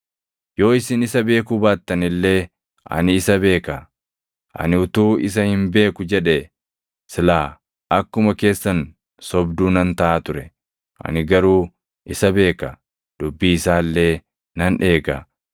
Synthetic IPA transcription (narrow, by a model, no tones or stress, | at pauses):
jo̞ːɪsɪnɪsɐbe̞ːkʊbaːt̪ːɐnɪlːe̞ː | ʔɐ̰nɪːsɐbe̞ːkɐ | ʔɐ̰nɪʊt̪uːɪs̬ɐhɪmbe̞ːkʊd͡ʒɛᶑɛ | sɪlaː | ɐkːʊmɐke̞ːsːɐn | sɔbd̪uːnɐnt̪ɐʔaːt̪ʊɾɛ | ʔɐ̰nɪɡɐɾuː | ʔɪsɐbe̞ːkɐ | d̪̥ʊbːiːɪsaːlːe̞ː | nɐnᶑe̞ːɡɐ